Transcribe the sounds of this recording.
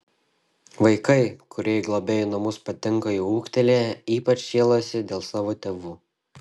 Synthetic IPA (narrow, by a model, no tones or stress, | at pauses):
ʋɐɪkɐɪkʊɾʲɛɪɡlˠobʲɛjnɐmʊspɐt̪ʲɪŋˑkɐiuːkt̪ʲɛlʲejɛiːpɐt͡ʃʃʲeːlˠoːsʲɪd̪ʲeːlˠsɑːʋoːt̪ʲeːʋuː